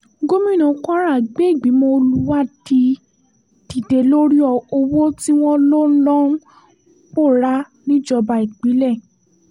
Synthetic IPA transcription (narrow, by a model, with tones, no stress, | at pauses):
ɡo˦mĩ˦˨nũ˨˦kɔ̃˦a˦ɾa˦˨ɡ͡be˨˦i˦˨ɡ͡bi˨˦mɔ̃˧˦o˧lu˦wa˦˨di˧ | ti˨de˨˦lo˦ɾi˦ɔ˧˨o˧wo˦ti˦w̃ɔ̃˦lo˦lɔ̃˦ũ˦ | k͡po˦˨ɾa˦ | nĩ˦d͡ʒɔ˧ba˧i˨k͡pi˨˦lɛ˦˨